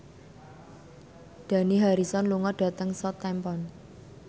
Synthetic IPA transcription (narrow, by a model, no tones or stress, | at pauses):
d̪̥a̤niɦaɾisɔnluŋɔɖ̥a̤t̪əŋsɔt̪ɛmpɔn